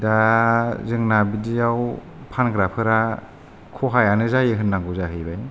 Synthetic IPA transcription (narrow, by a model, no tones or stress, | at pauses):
dazɯŋnabidijaw | pʰanɡɾapʰɯɾa | kʰɔɦajanɯzajɯɦɯnːaŋɡuzaɦɯjbaj